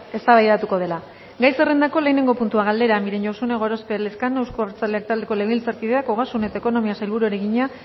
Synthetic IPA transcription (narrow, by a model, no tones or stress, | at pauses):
e̞st̪aβajðat̪uko̞ð̞e̞la | ɡajse̞re̞nd̪ako̞le̞ːne̞ŋɡo̞punt̪uaɣald̪e̞ɾamiɾe̞nosuneɣ̞o̞ɾo̞speleskanewskoɾt͡sald̪eak̚t̪ald̪e̞ko̞leɣilt͡saɾkiðeakoɣasune̞t̪aeko̞no̞miasajlβuɾueɾe̞ɣiɲa